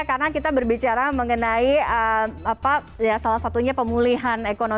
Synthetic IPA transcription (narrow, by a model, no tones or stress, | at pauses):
kaɾənakit̪abərbit͡ʃaɾaməŋənaiəmapa | jasalasat̪uɲapəmuliɦanekono